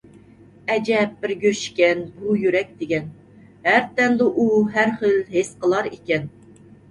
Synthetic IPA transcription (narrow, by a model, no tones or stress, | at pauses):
ɛd͡ʒɛp̚bɪɾɡʲøʃkʲɛnbujyɾɛk̚ʲd̪̥ɪɡʲɛn | hæɾt̪ɛnd̪ɨʔuɦæɾχəlɦesqəlˠɑɾikʲɛn